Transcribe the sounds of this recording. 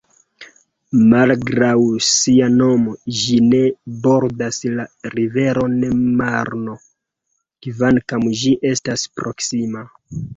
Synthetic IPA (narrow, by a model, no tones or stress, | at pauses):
malɡɾawsiano̞mo̞ʒine̞bo̞ɾdaslaɾive̞ɾo̞nemaɾno̞ | kvankamʒiʔe̞staspɾo̞ksima